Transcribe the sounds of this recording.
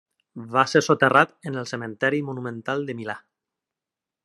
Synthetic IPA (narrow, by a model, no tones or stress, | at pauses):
βaseɾsot̪erat̪ənəlˠsəmẽnt̪ɛɾimunumẽnt̪alˠd̪əmila